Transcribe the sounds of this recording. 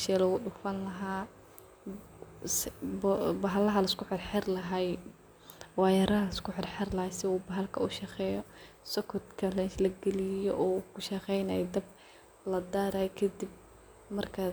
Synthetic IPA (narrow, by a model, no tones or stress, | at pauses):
ʃɛlɔɣʊɗʊfɐnlɐɦaː | s | bɐɦɐlɐɦɐlɐɪskʊħɪrħɛrlɐɦɐj | wɑjɐɾɐɐlɐɪskʊħɪrħɛrlɐhɐjsɪuːbɐɦɐlkʰɐʊʃɐqɛːjɔsɔkʰɔd̪kʰɐlɛʃlɐɡɛlɪjjɔʔɔukʰʊʃɐqɛjnajɛd̪ɐb̚ | lɐd̪aːɾɐjkʰɐd̪ib̚ | mɐrkʰɐ